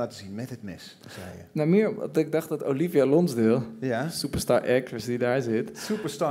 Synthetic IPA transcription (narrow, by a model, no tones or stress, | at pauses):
aːtəzinmɛtət̚mɪs | sɛənamɪəɹ̰dɪɡ̚dɑχt̚dɑtolivjalɔnzdɪlˠjsupəɹstaːɹʔɛk̚təsdidaːɹzɪtsupəsta